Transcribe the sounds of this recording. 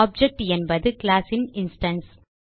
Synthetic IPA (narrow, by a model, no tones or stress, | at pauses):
ɔːb̚d͡ʒɛk̚ʈɛnbɐðɯklaːsɪnɪnsʈɐns